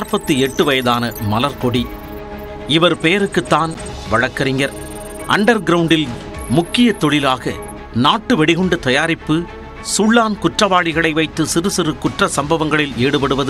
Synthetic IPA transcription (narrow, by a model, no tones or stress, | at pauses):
ɾpɐt̪ːɯɛʈːɯʋɐjɐðaːnɐmɐlɐɾkɔɽi | ɪʋɐɾpɛjɐɾɯkːɯt̪ːaːn | ʋɐɻɐkːɐɾɪŋɡɐɾ | ʔɐ̰ɳɖɐɾɡɪɾɐʋʊɳɖɪl | mʊkːɪjɐt̪ːɔɭɪlaːɣɐ | naːʈːɯʋɛɽɪɣɔɳɖɯt̪ɐjaːɾɪpːɯ | sʊɭːaːnkʊʈrɐʋaːɻɪɣɐɭɐɪʋɐɪt̪ːɯsɪɾɯsɪɾɯkʊʈrɐsɐmbɐʋɐŋɡɐɭɪleːɽɯpɐɽɯʋɐðɯ